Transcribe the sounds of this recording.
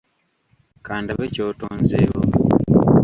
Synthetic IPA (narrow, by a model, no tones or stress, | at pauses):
kaːndaβecoːtoːnzeːɣo̰